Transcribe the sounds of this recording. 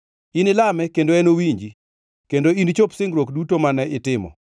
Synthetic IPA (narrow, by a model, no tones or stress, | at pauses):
inɪlamɛkendoɛnowiɲd͡ʒi | kendoint͡ʃopsɪŋɡɾwokdutomanɛʔɪtɪmɔ̰